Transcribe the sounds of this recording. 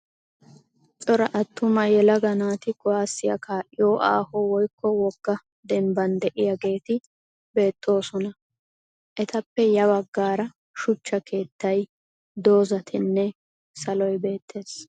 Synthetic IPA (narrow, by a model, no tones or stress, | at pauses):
t͡sʼɔɾɐʔɐt̪ːʊmɐjɛlɐɡɐnaːt̪ɪɡʊwaːsːɪjɐ̰kʰaːʔɪjoːʔa̰ːhɔwɔjkʰːɔwɔɡ̥ːɐ | d̪ɛmbɐnd̪ɛʔɪjɐɡe̞ːt̪ɪ | be̞ːt̪ʼːo̞ːsɔnɐ | ʔɛt̪ɐpːɛjɐbɐɡːaːɾɐ | ʃʊt͡ʃːɐkʰe̞ːt̪ːɐj | d̪o̞ːzɐt̪ʰɪnːɛ | sɐlɔjbe̞ːt̪ʰːe̞ːs